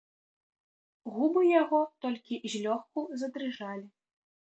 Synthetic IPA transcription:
ɣubɨjaɣɔt̪ɔlʲkʲizʲlʲɔxkuzɐd̪ɾɨʐalʲi

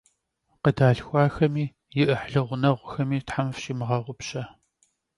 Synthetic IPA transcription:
qədaːɬxʷɑːxɐmiː | jɪʔəħɮɨʁʷʊnɐʁʷʊxɐmiːtħamfɕimɨʁɐʁʷʊpɕɐ

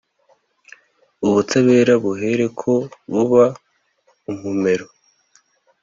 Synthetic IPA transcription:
uβutaβe̞ːɾaβuɦe̞ɾe̞kʰo̞βuβa | um̥ume̞ɾo

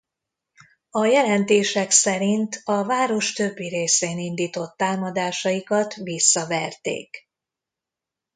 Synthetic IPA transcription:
ɒjɛlɛnt̪eːʃɛksɛɾint̪ʰɒvaːɾo̞ʃt̪ø̞bːiɾeːseːnind̪iːt̪o̞t̪ːaːmɒd̪aːʃɒjikɒt̪ʋisːɒvɛrt̪ḛːk

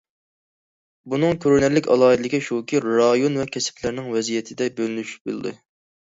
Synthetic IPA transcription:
bunɨŋkʲʰøɾnɛɾlɪkʲɑ̰lˠɑːid̪ɨlɪkʲʰiʃokʲiɾɾɑjonvɛkʲʰɛsɪ̥pʰlæɾnɪŋvɛzijɛt̪ʰɪd̪ɛbølnyʃy̥p̚bɨl̰ˠd̪ɨ̰

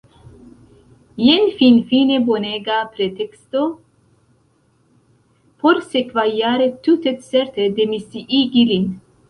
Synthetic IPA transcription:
jɛnfinfineboneɡapɾet̪ʰɛkst̪o | pʰoɾsekvajaɾet̪ːut̪et̪sɛɾt̪ʰed̪emisiʔiɡilin

